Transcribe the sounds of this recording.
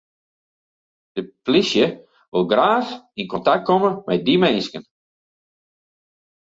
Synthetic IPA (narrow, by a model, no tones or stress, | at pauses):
d̥əplisjə | ʋɪlˠɡraːxinkɔntak̚kʰoməmɛdimɛnskən